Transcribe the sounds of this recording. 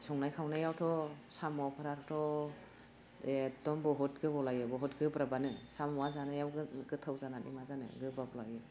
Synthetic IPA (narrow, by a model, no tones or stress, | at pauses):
sɔŋnajkʰawnajawtʰɔsamɔpʰaɾatʰɔtʰɔ | edɔmbɔɦɔt̚ɡɯbɔlajɯbɔɦɔtɡɯbɾabanɯsamɔwazanajawɡɯɡɯtʰawzanatḭmazanɯ̰ɡɯbabɔlajɯ